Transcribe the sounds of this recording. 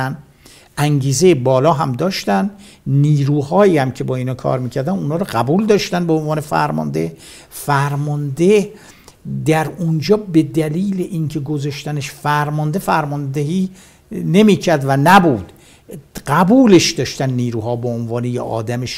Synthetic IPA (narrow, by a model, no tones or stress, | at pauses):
æn | ʔæŋɟiːzejebɒːlɒːɦæmd̪ɒːʃt̪ænd̪ | niːɾuːhɒːiːhæmcʰe̞bɒːiːnɒːkʰɒ̰ːɾmiːcʰæɾd̪ænunɒːɾɔɢæbuld̪ɒːʃt̪ænbeonvɒːne̞fæ̰ɾmɒ̰nd̪e | fæɾmɒnd̪eh | d̪æɾund͡ʒɒːbe̞d̪æliːleʔiŋcʰe̞ɡozɒʃt̪æneʃfæɾmɒnd̪e̞fæɾmɒnd̪ehiː | ne̞miːcʰæɾd̪vænæbuːd̪̥ | ɢæbuːleʃd̪ɒːʃt̪ænːiːɾuːhɒːbeonvɒːnejeʔɒ̰ːd̪æmeʃ